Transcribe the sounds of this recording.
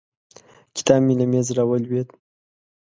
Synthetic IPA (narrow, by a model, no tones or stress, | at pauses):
kʲi̥t̪ɑbmilamezɾawəlwet̪